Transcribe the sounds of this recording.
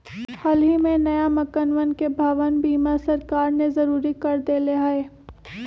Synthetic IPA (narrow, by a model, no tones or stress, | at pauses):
hɐlɦimẽnɐjamɐkənʋənkebʱaːʋənbiːmasɐɾkaːɾnezɐɾuːɾikɐɾd̪eleɦaeː